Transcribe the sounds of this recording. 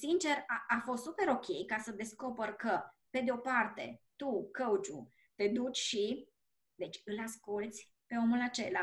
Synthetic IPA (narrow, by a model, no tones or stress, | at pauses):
sint͡ʃe̞raafo̞st̪supe̞ɾo̞kʲʰe̞jkasəd̪e̞sko̞pərkəpe̞d̪eo̞part̪e̞̰t̪ukəut͡ʃṵ | t̪e̞d̪ut͡ʃʲʃi | d̪e̞t͡ʃʲɨlaskult̪sʲ | pe̞o̞mulat͡ʃe̞la